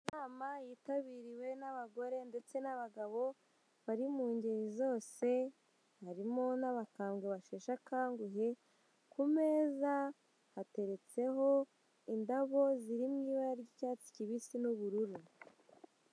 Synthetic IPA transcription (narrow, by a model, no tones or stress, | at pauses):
naːmajiːtaβiːɾiwe̞naβaɡo̞ɾe̞nde̞t͡se̞naβaɡaβo̞ | βaɾimuːɲɟeɾizo̞ːse̞ | haɾimo̞naβakaːmɡeβaʃeːʃakaːŋɡuɦe̞ | kume̞ːza | hate̞ɾe̞t͡se̞ɦo̞ | indaβo̞ziɾimŋiːβaɾaɾɟicaːt͡si̥ciβisinuβuɾuɾu